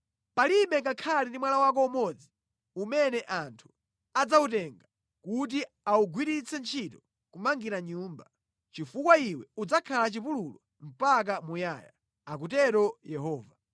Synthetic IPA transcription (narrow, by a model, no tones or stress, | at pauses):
paliɓɛkakʰalindimwalawak̬ɔumɔd͡zi | umɛnɛʔantʰu̥ | ad͡zautɛŋɡa | kut̬i | auɡwiɾit͡sɛnt͡ʃʰitɔ | kumaŋɡiɾaɲuːmba | t͡ʃifukwaiwɛud͡zakʰalat͡ʃipululɔ | m̩pak̬amujaːja̰ | ak̬utɛɾɔjɛɦɔːva